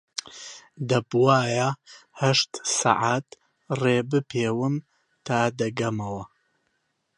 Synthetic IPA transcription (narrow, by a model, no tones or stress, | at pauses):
d̪ɐbwaːjahɐʃt̪sa̰ʕat̪ | reːbɨpʰeːwɨm | t̪ʰaːd̪ɐɡɐmɐwɐ